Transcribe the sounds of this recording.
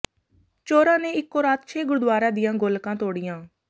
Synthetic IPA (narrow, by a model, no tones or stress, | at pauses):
t͡ʃoːɾãːneːɪkːoːɾaːt̪t͡ʃʰeːɡʊɾd̪ʋaːɾaːd̪ɪjãːɡolkãːt̪oːɽɪjãː